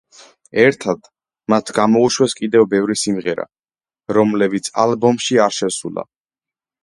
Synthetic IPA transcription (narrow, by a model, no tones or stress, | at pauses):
ɛɾt̪ʰad̪̥ | mat̪ʰɡamɔuʃwɛskʼid̪ɛvbɛvɾisimʁɛɾa̰ | ɾɔmlɛbit̪sʰa̰lbɔmʃiaɾʃɛsulˠa̰